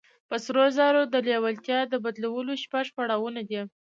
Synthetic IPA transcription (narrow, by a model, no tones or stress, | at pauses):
pəsɾozɑɾod̪əlewalt̪jɑd̪əbad̪lawəloʃpaʐpaɽɑwunad̪i